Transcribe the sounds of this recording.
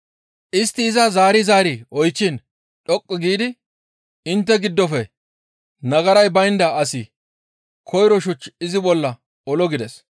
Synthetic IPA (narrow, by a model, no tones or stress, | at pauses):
ʔɪst̪ːɪːzɐzaːɾɪzaːɾiɔjt͡ʃːɪn | ɗɔkʼːɔɡiːd̪ɪ | ɪnt̪ːɛɡɪd̪ːɔfɛ | nɐɡɐɾɐjbɐjnd̪ɐɐsɪ | kʰɔjɾɔʃʊt͡ʃːɪzɪbɔlːɐ | ɔlɔɡɪd̪ɛs